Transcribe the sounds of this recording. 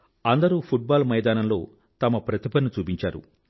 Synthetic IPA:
ɐnd̪ɐɾuːpʰuʈ̚baːlmɐjd̪aːnɐmlo̞̰ː | t̪ɐmɐpɾɐt̪ipɐnːut͡ʃuːpiɲt͡ʃaːɾṵ

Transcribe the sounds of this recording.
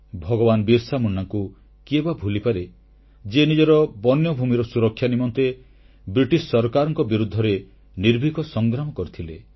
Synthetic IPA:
bʱɔɡɔbanbiɾsamunːaŋku | kebabʱulipaɾe | d͡ʒenid͡ʒɔɾɔbɔnjɔbʱumiɾɔsuɾɔkʰːjanimɔnt̪e | bɾiʈisːɔɾkaɾɔŋkɔbiɾud̪ʱːɔɾe | niɾbʱikɔsɔŋɡɾamɔkɔɾit̪ʰilḛ

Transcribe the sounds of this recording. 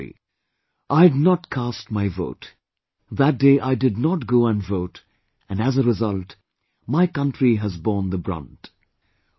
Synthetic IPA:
ʔaɪdnɔtkʰæstmaɪvo̰ʊt | ðæt̚deɪʔaɪdɨd̚ⁿnɔt̚ɡoʊə̃nvoʊt | ɨ̃næzəɾɨzʌlt | maɪkʌ̃ntɹiɦæzbɔːnd̪əbɹʌ̰̃nt

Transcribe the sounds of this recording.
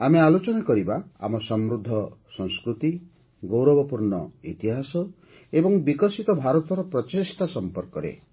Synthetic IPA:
amealot͡ʃɔnakɔɾibaa̰mɔsɔmɾud̪ʱːɔsɔŋskɾut̪i | ɡowɾɔbɔpuɾnɔ̰ḭt̪iɦasɔ | ebɔŋbikɔsit̪ɔbʱaɾɔt̪ɔɾɔpɾɔt͡ʃest̪asɔmpɔɾkɔɾḛ

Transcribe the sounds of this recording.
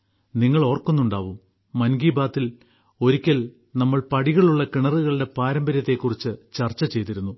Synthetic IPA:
niŋːɐɭo̞ːrkːunːuɳɖaːʋumː | ɐnɡiːbaːt̪ːil | o̞ɾikʲːɐl | nɐmːɐɭpɐɽiɣɐɭuɭːɐkiɳɐruɣɐɭɨɽe̞paːɾɐmbɐɾjɐt̪ːe̞kːurit͡ɕːɨt͡ɕɐrt͡ɕːɐt͡ɕe̞jt̪ːiɾunːu

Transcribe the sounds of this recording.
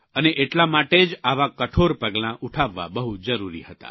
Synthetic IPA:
əneʔeʈlamaʈed͡ʒaʋakəʈʰoɾpəɡlãʔuʈʰaʋːa̰bəɦud͡ʒəɾuɾḭhət̪a̰

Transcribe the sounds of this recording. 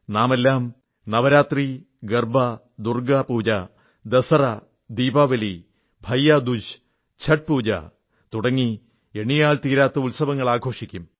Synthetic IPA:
naːme̞lːaːm | nɐʋɐɾaːt̪ri | ɡɐrbɐ | d̪urɡɐpuːd͡ʑɐ | d̪esɐrɐ | d̪iːbaːʋɐli | bʱɐjːad̪ud͡ʑ | t͡ɕʰɐʈ̚puːd͡ʑɐ̰ | t̪uɽɐŋːi | eɳijaːlt̪iːɾaːt̪ːɐulsɐʋɐŋːɐɭaːɡʱo̞ːʂikʲːum

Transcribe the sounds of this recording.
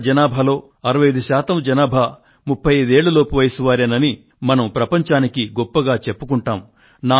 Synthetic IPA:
d͡ʒɐnaːbʱɐlo̞ː | ɐɾɐʋɐjɐjd̪uʃaːt̪ɐmd͡ʒɐnaːbʱɐ | mupʰːɐjɐd̪e̞ːɭːɐloːpɐʋɐjsuʋaːɾenɐni | mɐnɐmpɾɐpɐɲt͡ʃaːnikiɡɔpːɐɡaːt͡ʃe̞pːukuɳʈaːm | naː

